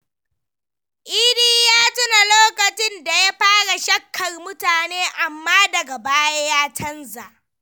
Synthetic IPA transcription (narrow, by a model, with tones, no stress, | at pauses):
ʔiː˦diː˦jaː˦tʊ˦na˨loː˦kɐ˨t͡ʃɪ˦nda˨ja˦ɸaː˦ɽa˨ʃɐ˦kːɐ˨rmʊ˦taː˨neː˦ʔa˨mːaː˦dɐ˨ɡa˨baː˦ja˦jaː˦tʰɐ˦nza˨ʔ